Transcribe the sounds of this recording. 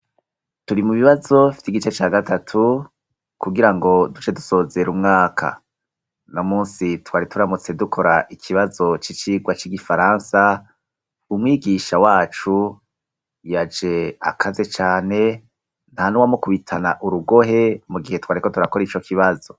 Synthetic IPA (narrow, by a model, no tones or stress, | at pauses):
tuɾimuβiβazo̞fi̥tiɡit͡ʃe̞t͡ʃaːɡatʰatʰu | kuɡiɾaŋɡo̞dut͡ʃe̞du̥so̞ːze̞ɾumŋaːkʰa̰ | nomuːnsitwaːɾituɾamut͡se̞dukʰo̞ɾaʔikʰiβazo̞t͡ʃit͡ʃiːɡwat͡ʃiɡifaɾaːnsa | umŋiːɡiʃawaːt͡ʃu | jad͡ʒe̞a̰kʰaze̞t͡ʃaːne̞ | n̥hanuwamokuβitʰanaʔuɾuɡo̞ɦe̞muɡihe̞twaːɾiko̞tuɾako̞ɾit͡ʃo̞kʰiβazo̞